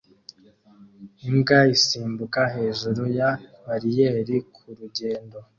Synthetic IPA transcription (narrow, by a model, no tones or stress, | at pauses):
imɡaisiːmbukahe̞ːʒuɾujamaɾijeːɾikʰuɾuɟe̞ːndo̞